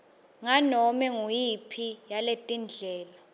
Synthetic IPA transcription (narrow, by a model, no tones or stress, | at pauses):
ŋanɔmɛŋujipʰijaletʼind͡ɮʱɛːla